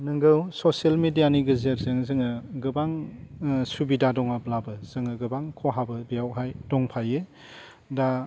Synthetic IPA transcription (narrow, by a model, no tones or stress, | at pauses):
nɯŋɡɯwsosielmedijaniɡɯzeɾzɯŋzɯŋɯɡɯbaŋ | subidadɔŋablabɯz̥ɯŋɯɡɯbaŋkʰɔɦabɯbijawɦajdɔŋpʰajɯ | da